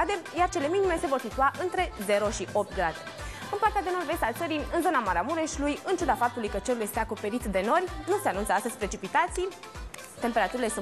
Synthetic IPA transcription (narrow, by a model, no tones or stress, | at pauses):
ad̪e̞jart͡ʃe̞le̞minime̞se̞vo̞rsit̪uaʔɨnt̪ɾe̞ze̞ɾo̞ʃiʔo̞p̚t̪̚ɡɾad̪e̥ | ɨnmplat̪ad̪e̞no̞rve̞st̪alt̪səɾiɨnzo̞namaɾamuɾe̞ʃlujɨnt͡ʃud̪afap̚t̪ulujkət͡ʃe̞ɾulje̞st̪eako̞pe̞ɾit̪d̪e̞no̞rʲnuseanunt̪səast̪əzʲpɾet͡ʃipit̪at̪sij | t̪e̞mpe̞ɾat̪uɾile̞su